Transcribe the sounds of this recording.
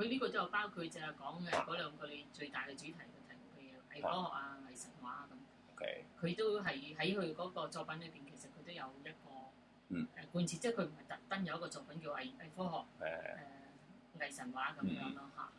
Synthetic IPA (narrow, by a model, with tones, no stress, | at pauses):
kʰɵ˧liː˥kɔː˧t̪o˥jɐ˧wpaː˥wkʰu˧t̚t͡sɛ˨˥ɐ˨˧˩kɔː˨˥ŋɛ˨˧kɔː˨˥lœː˨˧ŋkɔ˧le˨˧t͡ʃɵ˧ɥt̪aː˨jkɛ˧t͡ʃyː˨˥t̪ʰɐ˨˩jkʰɵ˨˧tʰɐ˨˩jko˨˩kʰə˧jɛː˨˧ʔɐ˨jfɔː˥hɔː˨k̚aː˧ŋɐ˨˩jsɐ˨˩nwaː˨˥kɐ˨˦m | okʰkʰɵ˨˧ɥt̪o˥wɦɐ˨jɦɐ˨˥jkʰɵ˧ɥkɔː˨˥kɔː˧t͡sɔː˧pɐ˨˥nlɵ˨˧piː˨nkʰe˨˩jsɐ˨t̚kʰɵ˧ɥt̪o˥wjɐ˨˧wjɐ˥t̚kɔː˧ | ʔɛː˨kuː˨˧nt͡sʰiː˧˥t͡sɛː˥˩kʰɵ˧ɥm̩˨˩ɐ˨jt̪ɐ˨k̚t̪ɐ˥njɐ˨wjɐ˥kɔ˧t͡sɔː˧k̚pɐ˨˥nkiː˧˨˧ʔɐ˨˩ʔɐ˨˩jfɔː˥ɦɔː˨˩k̚ʔɛː˨ | ŋɐ˨˩jsɐ˨˩nwaː˨˥kɐ˨˦mjœː˨˥ŋlɔː˥ha̰ː˨˩